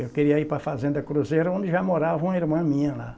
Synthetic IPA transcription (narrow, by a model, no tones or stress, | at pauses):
ewkeɾiɐipɾɐfazẽnd̪ɐkɾuzejɾɐõnd̪ɪʒamoɾavɐũmɐiɾmɐ̃mĩɲɐla